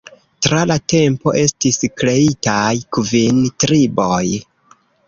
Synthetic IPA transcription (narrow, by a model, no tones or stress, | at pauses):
tɾalate̞mpo̞ʔe̞stiskɾe̞itajkuvintɾiboj